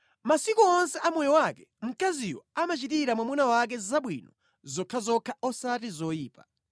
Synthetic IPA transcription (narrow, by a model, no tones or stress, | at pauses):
masikuɔnsɛʔamɔjɔwakɛm̩kazijɔ̰amat͡ʃitiɾamwamunawak̬ɛzaɓwḭnɔ̰ | zɔkʰazɔkʰaɔsatizɔjiːpa